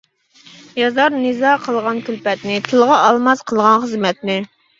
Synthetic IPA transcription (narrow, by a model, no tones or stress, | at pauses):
jɑzɑɾnɨzɑqʰəlˠʁɑnkʲylpɛt̪nɪt̪ʰɨlˠʁɑʔɑlˠmɑsqʰəlˠʁɑnχəzmɛt̪nɪ